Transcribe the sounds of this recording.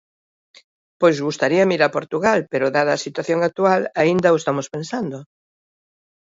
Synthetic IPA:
pojzɣust̪aɾiɐmiɾɐpoɾt̪uɣalpeɾʊðaðɐːsit̪waθjoŋak̚t̪ualaind̪ɐoest̪amospensand̪o

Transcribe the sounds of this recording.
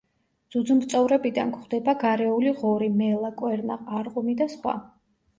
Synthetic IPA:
d̪z̥ud̪zumt̪sʼɔvɾɛbid̪a̰nkχd̪ɛbaɡaɾɛuliʁɔɾimɛlˠakʼwɛɾnaːɾqʼumid̪asχwa̰

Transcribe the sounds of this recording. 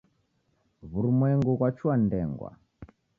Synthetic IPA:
βuɾumwɛŋɡukwat͡ʃuandɛŋɡwa̰

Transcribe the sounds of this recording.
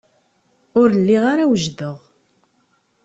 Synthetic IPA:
ʊɾəlːiʁaɾawʒðəʁ

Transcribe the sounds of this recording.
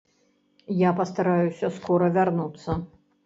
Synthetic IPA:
japɐst̪aɾajusʲɐskɔɾɐvʲarnut̪sːɐ

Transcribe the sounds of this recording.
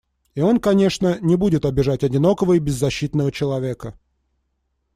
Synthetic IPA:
io̞nkɐnʲe̞ʂnənʲɪbudʲɪt̪ɐbʲɪʐatʲɐdʲɪno̞kəvəibʲɪzːɐɕːit̪nəvət͡ɕɪlˠɐvʲe̞kə

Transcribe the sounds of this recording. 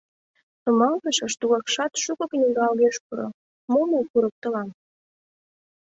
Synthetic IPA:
t̪umɑlt̪əʃə̆ʃt̪uɣɑkʃɑt̪ʃukŏknʲiɡɑːlɣeʃkuɾo̰ | momokuɾək̚t̪ə̆lɑm

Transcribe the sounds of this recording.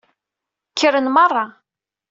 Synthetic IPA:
kʰːəɾənmərˤːɑ

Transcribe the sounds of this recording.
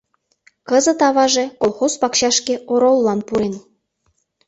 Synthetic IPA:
kə̆zɤ̆t̪ɑβɑʒekolˠxozpɑkɕɑʃkeoɾolːɑnpuɾen

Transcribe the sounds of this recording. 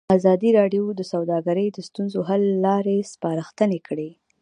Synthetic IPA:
azɑd̪iɾɑɖjod̪əsawd̪ɑɡaɾəjd̪əst̪unzoɦalːɑɾespɑɾəxt̪ənekʰɽe

